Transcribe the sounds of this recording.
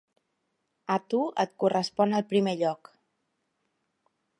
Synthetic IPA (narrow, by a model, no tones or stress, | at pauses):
ət̪uə̰t̪̚kurəspɔnəlˠpɾimeʎɔk